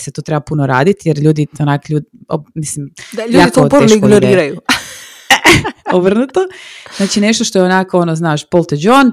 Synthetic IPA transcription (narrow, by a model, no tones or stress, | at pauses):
set̪ot̪ɾebapunoɾa̰ːd̪it̪jeɾʎuːd̪ionakʎuːd̪omislimd̪aʎjaːitk̪otp̪eʃiɡonoɾiːɾaju | obr̩nut̪oznaːt͡ʃine̞ʃt̪oʃt̪oeonakoonoznaːʃpolˠt̪ed͡ʒon